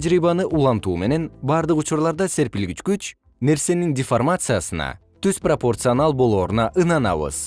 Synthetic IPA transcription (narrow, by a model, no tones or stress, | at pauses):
d͡ʒɾibɑnɯʔulˠɑnt̪uːme̞ne̞nbɑɾd̪ɯqut͡ʃuɾlˠɑɾd̪ɑse̞ɾpilɡit͡ʃkyt͡ʃ | ne̞ɾse̞nindʲɪformat̪sɨjasɯnɑ̰ | t̪yz̥propo̞rt̪sɨonɑlˠbo̞lˠo̞ːɾunɑʔɯnɑnɑ̰βɯ̰z